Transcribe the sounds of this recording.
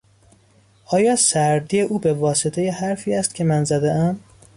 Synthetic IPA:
ʔɒːjɒːsæɾd̪ijeʔuːbe̞vɒːset̪ʰe̞jehæɾfiːæst̪cʰe̞mænzæd̪eæm

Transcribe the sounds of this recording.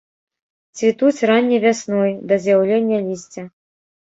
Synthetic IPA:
t͡sʲvʲit̪ut͡sʲranʲːivʲasnɔjd̪ɐzʲjawlʲenʲːɐlʲisʲt͡sʲɐ

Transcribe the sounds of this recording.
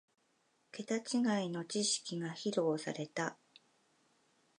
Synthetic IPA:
ke̞t̪at͡ɕiɡaino̞t͡ɕiɕi̥kʲiɡaçiɾo̞ːsa̰ɾe̞t̪a

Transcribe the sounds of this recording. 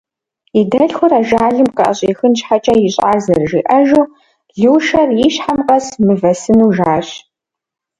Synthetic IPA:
idɐɬxʷʊɾaːʒaːɮɨmqɐʔɐ̰ɕʼiːxɨnt͡ʃħat͡ʃʼɐjɪɕʼaːzɨrʒḭːʔɐʒuː | ɮɨwʃɐrjiɕħamqɐsmɨvɐsɨnuːʒaːɕ

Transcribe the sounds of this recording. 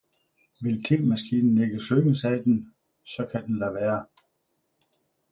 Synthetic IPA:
ʋe̝lt͡sʰe̝lmæsɡ̥iːnn̩eɡ̥əsøsæd̥en̩ | sɒ̽kʰæd̥enlæʋæːɐ

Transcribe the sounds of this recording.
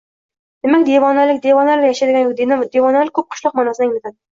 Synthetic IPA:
d̪̥emakʲd̪evɒnalɪkʲd̪evɒnalɪjaʃad̪ɪɡʲanjkʲd̪end̪evɒnalɪk̚ʲʰːɵp̚qʰʊʃlɒq̚manɒsɪnaɪŋmɪt̪ad̪ɪ

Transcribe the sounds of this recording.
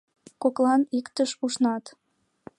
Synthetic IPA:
koklɑnikt̪əʃuʃnɑt̪

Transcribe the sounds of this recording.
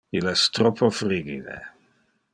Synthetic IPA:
ilɛst̪ɾɔpʰːofɾiːɡḭd̪ḛ

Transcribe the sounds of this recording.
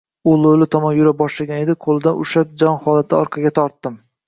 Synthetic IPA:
ʊlˠolɪt̪ʰɒmɒnjʊɾabɒʃlaɡʲane̞d̪ɪqʰolˠɪd̪anʊʃap̚d͡ʒɒnhɒlˠat̪ʰɪɒɾqʰɑɡʲat̪ʰɒɾt̪ːɪm

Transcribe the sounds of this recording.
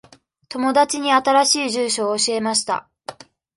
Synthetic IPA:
t̪o̞mo̞d̪at͡ɕiɲ̟iat̪aɾaɕiːʑɨːɕo̞ːɕie̞maɕi̥t̪a̰

